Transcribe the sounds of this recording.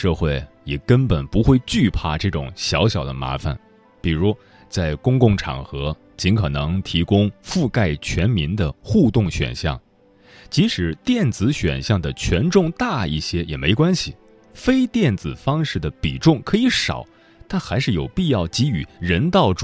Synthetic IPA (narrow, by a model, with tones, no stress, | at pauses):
ʂɤ˥˧xwe˥˩ɪ | jɛ˨˩kə˥npə˨˩npu˧˥xwe˥˧ɪt͡ɕy˥˧pʰa˥˧ʈ͡ʂɤ˥˩ʈ͡ʂʊ̰˨˩ŋɕjɑ˧˥ʊɕjɑ˨˩ʊd̪ə̰˦ma̰˧˥fa̰˩n | pi˨˩ɻu˧˥ | t͡sa˥˩ɪkʊ˥ŋkʊ˥˩ŋʈ͡ʂʰɑ̰˨˩ŋxɤ˧˥ | t͡ɕi˧˥nkʰɤ˨˩nɤ˧˥ŋt̪ʰi˧˥kʊ˥ŋfu˥˧ka˥˩ɪt͡ɕʰɥɛ˧˥nmi˧˥nd̪ə˧xu˥˧t̪ʊ˥˩ŋɕɥɛ̰˨˩nɕjɑ̰˥˩ŋ | t͡ɕi˧˥ʂɻ̩˨˩˦t̪jɛ˥˩nt͡sɹ̩˧˥ɕɥɛ̰˨˩nɕjɑ˥˩ŋd̪ə˩t͡ɕʰɥɛ˧˥nʈ͡ʂʊ˥˧ŋt̪a˥˧i˥˩ɕjɛ˥jɛ˨˩me˧˥ɪkwa˥nɕi˨˩ | fe˥ɪt̪jɛ˥˩nt͡sɹ̩˨˩fɑ˥ŋʂɻ̩˥˩d̪ə˩pi˨˩ʈ͡ʂʊ˥˩ŋkʰɤ˧˥i˧˥ʂɑ̰˨˩˦ʊ | t̪a˥˩nxa˧˥ɪʂɻ̩˥˩jo˨˩ʊpi˥˧jɑ˥˩ʊt͡ɕi˧˥y˨˩˦ɻə˧˥nt̪ɑ˥˩ʊʈ͡ʂ